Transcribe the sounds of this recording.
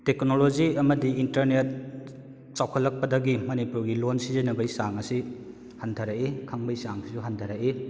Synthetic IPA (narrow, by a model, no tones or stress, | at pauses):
teknolod͡ʒiɐmɐdiintɐɾnet̚ | t͡ʃawkʰɐlːɐk̚pɐdɐɡimɐnipuɾɡilonsizɐnɐbɐjsaŋɐsi | hantʰaɾakekʰaŋbɐjsaŋsʰisuɦantʰaɾaki